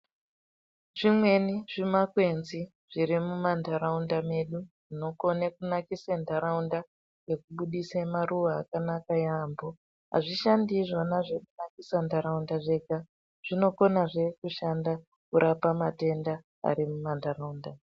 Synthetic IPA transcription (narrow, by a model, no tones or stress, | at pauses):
ʐimwe̞niʐimakwe̞nzi | ʐ̥irimumandʱaɾaundame̞ɗuʐino̞ko̞nekunakisendʱaɾaunda | je̞kuɓuɗisemaruwaːkanakajaːmbo̞ | ɦa̰ʐiʃandiʐonaʐekunakisandʱaɾaundaʐe̞ka | ʐ̥ino̞ko̞naʐe̞kuʃanda | kuɾʔapamate̞nda | a̰ɾimumandʱaɾaunda